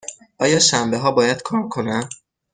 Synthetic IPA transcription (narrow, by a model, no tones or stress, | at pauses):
ʔɒːjɒːʃæmbe̞ɦɒːbɒːjæd̪̥̚kʰɒːɾkʰo̞næm